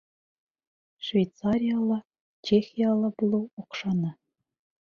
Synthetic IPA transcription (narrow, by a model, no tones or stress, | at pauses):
ʂvʲejt̪t͡sɑɾʲijɑlˠɑ | t͡ɕexʲijɑlˠɑblˠuuqʂɑnɑ